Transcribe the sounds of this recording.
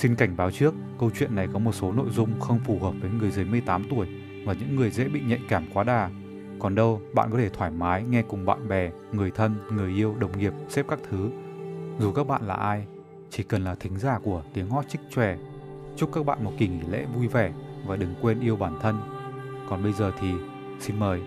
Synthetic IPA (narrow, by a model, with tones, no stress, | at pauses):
si˧nka˧˩jŋ̟ɓaː˨˦wt͡ɕɨ˦˥əkːə˧wt͡ɕwḭ˧˨ənːa˨˩jkɔ˨˦mo˨˩t̚so˨˦no̰˧˨jzʊ˧ŋ͡mxə˧wŋ͡mfu˨˩həː˨˩p̚vəː˨˦jŋɨ˨˩əjzə˨˦jmɨ˧əjt̪aː˨˦mt̪u˧˩əj | vaː˨˩ɲɨ̰˧˥ŋːɨ˨˩əjzḛ˧˥ɓḭ˧˨ɲə̰˧˨ŋkaː˧˩mkwaː˨˦ɗaː˨˩ | kɔ˨˩nɗə˧wɓa̰ː˧˨nkɔ˨˦e˧t̪ʰwaː˧˩jmaː˨˦jŋɛ˧kʊ˨˩ŋ͡mɓa̰ː˧˨nɓɛ˨˩ | ŋɨ˨˩əjt̪ʰə˧nŋɨ˨˩əjʔi˧əwɗə˨˩wŋ͡mŋi˨˩əp̚sɛ˦˥p̚kaː˦˥k̚t̪ʰɨ˨˦zu˨˩kaː˦˥k̚ɓa̰ː˧˨nla̰ː˨˩ʔaː˧j | t͡ɕi˧˩kə˨˩nlaː˨˩t̪ʰï˨˦ŋ̟zaː˧˩ku˧˩ət̪i˨˦əŋhɔ˦˥t̚t͡ɕï˦˥k̟̚t͡ɕwɛ˧˩ | t͡ɕʊ˦˥kaː˦˥k̚ɓa̰ː˧˨nmo˨˩t̚ki˨˩ŋi˧˩lḛ˧˥vu˧jvɛ˧˩vaː˨˩ɗɨ˨˩˦ŋkwe˧nʔi˧əwɓaː˧˩nt̪ʰə˧nkɔ˨˩nɓə˧jzəː˨˩t̪ʰi˨˩ | si˧nməː˨˩j